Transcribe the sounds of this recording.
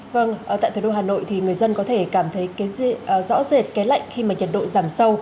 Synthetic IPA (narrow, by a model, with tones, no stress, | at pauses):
və˧ŋʔəː˧˩t̪a̰ː˧˨jt̪ʰu˧˩ɗo˧ɦaː˨˩no̰˧˨jt̪ʰi˨˩ŋɨ˨˩əjzə˧nkɔ˨˦t̪ʰe˧˩kaː˧˩mt̪ʰə˨˦jkaː˨˦jzɔ̰˧˥ze˨˩t̚kɛ˨˦la̰˧˨jŋ̟xi˧maː˨˩ɲə˨˩t̚ɗo̰˧˨zaː˨˩msə˧w